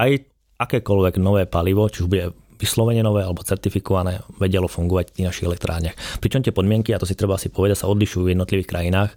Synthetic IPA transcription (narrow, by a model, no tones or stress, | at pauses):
aj | akɛːkɔlʋɛɡnɔʋɛːpaliʋɔt͡ʃiuʒbuɟɛ | ʋislɔʋɛɲɛnɔʋɛːalɛbɔt͡sɛɾt̪ifikɔʋanɛːʋɛɟɛlɔfuŋɡɔʋacft̪iːɣnaʃiɣɛlɛk̚t̪ɾʔaːɾɲɪaxpɾit͡ʃɔmt̪ɪɛpɔd̪mɪɛŋkiat̪ɔs̬it̪ɾɛbaasipɔʋɛd̪acsaɔd̪liʃuːvjɛd̪nɔt̪liʋiːxkɾʔajinaːx